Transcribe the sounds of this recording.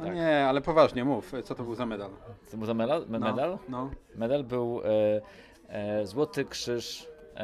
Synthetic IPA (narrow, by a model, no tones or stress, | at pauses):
ɔɲɛalɛpɔvaʐɲɛmuft̪ɔt̪ɔbɘwzamɛd̪albuwzamɛd̪almɛmɛd̪alnɔmɛd̪albɘw | zwɔt̪ɘkʂɘʂ